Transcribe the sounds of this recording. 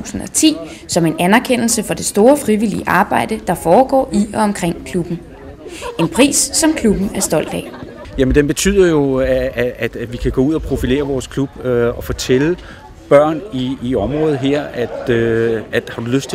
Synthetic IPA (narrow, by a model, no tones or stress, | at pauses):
ṵːsn̩ɒ̽t͡sʰḭː | sɒ̽me̝nænæɐkʰen̰l̩səfɒ̽d̥e̝sd̥o̝ːɐfʁiʋilḭəʔɑ̈ːb̥ɑ̈ɪ̰d̥əd̥ɑ̈fɒːɡ̥ɒ̰ːʔiɒ̽ɒ̽mkʰʁeŋ̰kʰlub̥n̩ | ʔe̝npʰʁḭːsːɒ̽mkʰlub̥n̩æɐsd̥ɒ̽l̰d̥ɛ | jæmənd̥emb̥e̝t͡sʰy̰ð̰ˠɐjo̝ææd̥ʋikʰæɡ̥ɔ̽uð̞̰ˠɒpʰʁo̝file̝̰ːɐʋɒːskʰlub̥ɒ̽fɒt͡sʰelə | b̥ɶɐ̰niːɒ̽mʁɔ̽ːð̩ˠɦeɐ̰æd̥ | æ̥hɑ̈d̥uløsd̥t͡sʰe